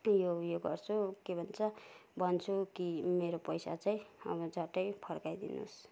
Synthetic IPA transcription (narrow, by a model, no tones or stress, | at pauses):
jojoɡʌrt͡sʰukebʱʌnt͡sʰʌbʱʌnt͡sʰukimeɾopʌjsa̰t͡saĩʌ̰bʌd͡zʌʈʌjpʰʌrkajd̪ḭnṵs